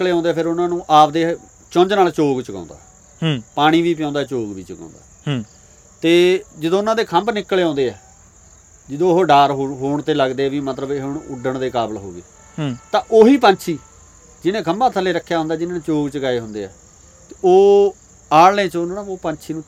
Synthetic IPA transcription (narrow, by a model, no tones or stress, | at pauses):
kleːãːnd̪eɛːpʰɪɾʊnãːnũːʔaːp̚d̪eː | t͡ʃõɲd͡ʒnaːlt͡ʃoːɡt͡ʃəkã̰ːnd̪a̰ː | paːɽ̃iːʋiːpjãːnd̪aːɛːt͡ʃoːɡʋiːt͡ʃəkã̰ːnd̪a̰ː | t̪eːd͡ʒəd̪õːʊnãːd̪eːkʰə̃mbnɪkːleːãːnd̪eːɛː | d͡ʒəd̪õːɦoːɖaːɾɦɦoːɳt̪eːləɡd̪eːɛːʋiːmət̪ləbeɦoɳʊɖəɳd̪eːkaːbəlɦoːɡḛː | t̪ãːʔoːɦiːpə̃ɲt͡ʃʰiː | d͡ʒɪnẽːkəmbaːt̪ʰəlːeːɾəkʰːjaːɦʊ̃nd̪aːd͡ʒɪnãːnẽːt͡ʃoːɡt͡ʃəɡaːeːɦʊnd̪eːɛː | t̪eoː | aːɽlẽːt͡ʃənːãoːpə̃ːɲt͡ʃʰiːnũː